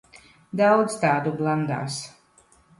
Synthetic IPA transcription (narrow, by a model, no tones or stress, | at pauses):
d̪awd̪zt̪aːd̪ublˠand̪a̰ːs